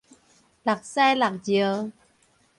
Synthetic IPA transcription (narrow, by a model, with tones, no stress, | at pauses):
la˨˩k̚sɛ˧la˨˩k̚zi˨˩˨